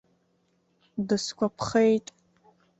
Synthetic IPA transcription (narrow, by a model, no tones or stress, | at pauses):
dɨskʷʰɔpχejtʼ